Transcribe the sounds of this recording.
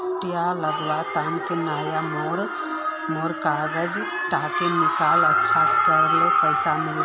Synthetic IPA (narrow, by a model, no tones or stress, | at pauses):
ʈijaləɡʋat̪ankenaːjamoɾ | moːɾkaːɡəd͡ʒ | ʈaːkenɪkaːlətːʃʰakəɾlopəɪsamɪl